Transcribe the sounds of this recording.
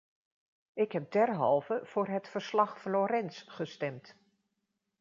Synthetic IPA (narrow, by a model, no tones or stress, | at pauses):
ɪkɦɛb̚dɛɹɦɑ̰lˠvəv̥ʊːɹɦətfəɹslɑχfloːɾɛnsχəstɛmt